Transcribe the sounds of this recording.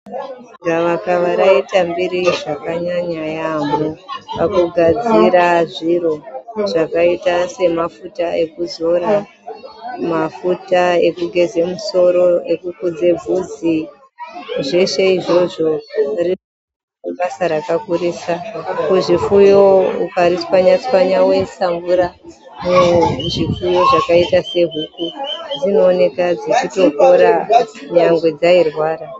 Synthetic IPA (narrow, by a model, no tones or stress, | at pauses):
ɡaʋakaʋaɾaitambiɾiʐakaɲaɲajamopakuɡʱad͡ziɾaʐiro̞ʐakaitase̞mafutae̞kuzo̞ɾa | mafutaekuɡʱe̞ze̞muso̞ɾo̞e̞kukud͡ze̞b͡vʱud͡zi | ʐe̞ʃe̞iʐo̞ʐo̞ri | uɓasaɾakakuɾiːsakuʐifujo̞ukaɾiswaɲaswaɲawe̞nsambuɾa | muʐifujo̞ʐakaitase̞ɦukud͡zino̞ːne̞kad͡zit͡ʃito̞ko̞ɾaɲaŋɡwe̞d͡zairwaːra